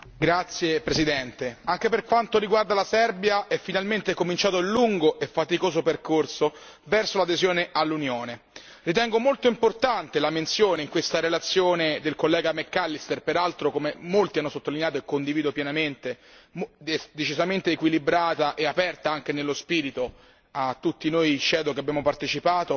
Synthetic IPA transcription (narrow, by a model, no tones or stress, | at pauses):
ɡɾat̪sːjepɾesid̪ɛnt̪eaŋk̟eperkwant̪oɾiɡward̪alasɛrbjaɛfːinalment̪ekomint͡ʃaːt̪oilːuŋɡoʔefːat̪ikoːsoperkorso | vɛrsolad̪ezjoːneʔalːunjoːne | rit̪̬ɛŋɡomolt̪oimport̪ant̪elament̪sjoːneiŋkwest̪aɾelat̪sːjoːned̪elkolːɛːɡamekːalːist̪erpeɾalt̪ɾokomemolt̪ianːosot̪ːolinejaːt̪̬oekːond̪iviːd̪opjɛnament̪e | md̪et͡ʃizament̪eːkwilibɾaːt̪aʔeapɛrt̪aaŋk̟enelːospiːɾit̪o | at̪ːut̪ːinoːjt͡ʃɛːd̪ok̟eabjaːmopart̪et͡ʃipaːt̪o